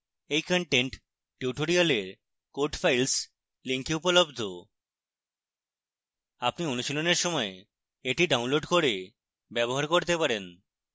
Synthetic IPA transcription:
ejkɔɳʈeɳʈ | ʈuʈoɾialeɾ | koɾʈfʰajls | liŋkʰiupolobd̪ʱo | apnionuʃiloneɾʃɔmɔe | eʈiɖaunloɖkoɾe | bɛboɦaɾkoɾt̪epaɾen

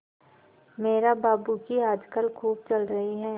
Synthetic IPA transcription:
meːɾabaːbukiaːd͡ʒkəlkʰuːb̚t͡ʃɐlɾɐɦiɦɛː

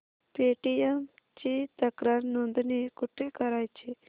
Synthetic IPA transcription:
peːʈiem | t͡ʃit̪ɐkɾəɾnond̪nikʊʈʰːekɐɾaːjt͡ʃʰi

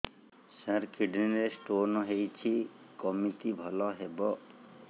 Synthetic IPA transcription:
sãɾkʰiɖninesʈonɔɦejt͡ʃʰi | kɔmit̪ibʱɔlɔɦebɔ

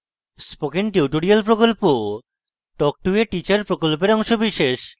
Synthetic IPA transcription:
spokenʈiwʈoɾialpɾokolpo | ʈɔk̚ʈueʈit͡ɕaɾpɾokolpeɾɔŋʃobiʃeʃ

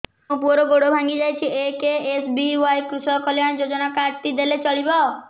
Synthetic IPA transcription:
ũpuɔɾoɡoɽobʱãŋɡid͡ʒajt͡ʃʰiekeesbiwajkɾusɔkɔljaɽ̃d͡ʒod͡ʒɔnakaɾt̪id̪elet͡ʃɔɭibao

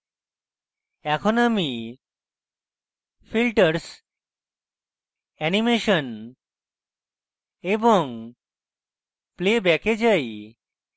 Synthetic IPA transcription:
ɛkʰonami | filʈəɾs | ɛnimeʃon | eboŋ | plebɛked͡ʑaj

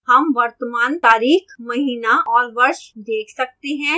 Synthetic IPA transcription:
hɐmʋɐɾt̪əmaːnt̪aːɾiːxmɐɦiːnaɔːɾʋɐɾʃd̪eːkʰsɐk̚t̪eɦɛ̃

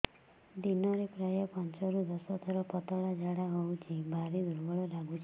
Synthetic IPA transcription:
d̪inɔɾepɾajɔpant͡ʃɔɾud̪ɔsɔt̪ʰɔɾɔpɔt̪ɔɭad͡ʒaɽaɦowt͡ʃʰibʱaɾid̪uɾbɔɭɔlaɡut͡ʃʰi

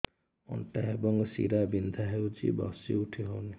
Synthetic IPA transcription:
ɔ̰ɳʈaebɔŋsḭɾabind̪ʱaɦewt͡ʃḭbɔ̰siuʈʰiɦowni

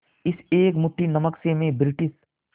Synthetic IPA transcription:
ɪseːkmʊʈʰːinɐməksemẽbɾɪʈɪs

